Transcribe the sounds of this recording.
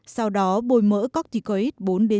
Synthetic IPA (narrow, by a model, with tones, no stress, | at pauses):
sa˧wɗɔ˨˦ɓo˧˩jmə̰ː˧˥kɔ˦˥k̚t̪i˧˩kɔ˧i˦˥t̚ɓo˨˦nɗe˨˦